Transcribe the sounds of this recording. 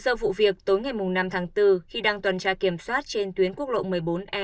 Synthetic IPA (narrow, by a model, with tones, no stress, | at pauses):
səː˧vṵ˧˨vi˨˩ək̚t̪o˨˦jŋa˨˩jmʊ˨˩ŋ͡mna˧mt̪ʰaː˨˦ŋt̪ɨ˧xi˧ɗaː˧ŋt̪wa˨˩nt͡ɕaː˧ki˧˩əmswaː˦˥t̚t͡ɕe˧nt̪wi˨˦ənku˦˥ək̚lo̰˧˨mɨ˨˩əjɓo˨˦nʔɛ˧